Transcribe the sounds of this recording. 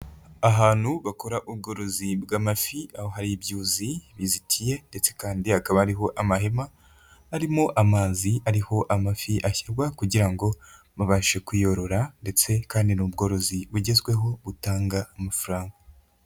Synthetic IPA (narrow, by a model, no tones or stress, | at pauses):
aɦaːn̥huβako̞ɾaʔuβɡo̞ːɾo̞zibɡaːmafiaho̞ɦaɾiibjuːziβizitʰije̞nde̞t͡se̞kaːndihakaβahaɾiɦo̞ʔamaɦemaː | ɾimo̞ʔamaːziaɾiho̞ʔamafiʔaçiɾɡwakuɟiɾaŋɡo̞ | maβaʃe̞kwijo̞ɾo̞ɾande̞t͡se̞kaːndinubɡo̞ːɾo̞ziβuɟe̞zɡwe̞ɦo̞βutaːŋɡaːmafuɾaːŋɡa